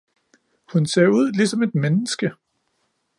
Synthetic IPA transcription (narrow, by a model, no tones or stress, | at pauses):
hunseɐuð̞̰ˠlisɒ̽me̝d̥menəsɡ̥ə